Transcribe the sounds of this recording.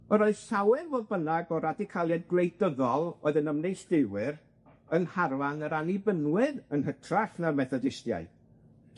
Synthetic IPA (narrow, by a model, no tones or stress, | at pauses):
ɔɾoɨðsawɛlvoːðbənaɡɔɾadɪkʰalˠjad̚ɡlˠejdəðɔlˠoːɨðənəmnejɬd̥ɪwɨɾ | ənharvanəɾanibənwɪðənɦətʰraχnamɛθɔdɪstja̰ɨ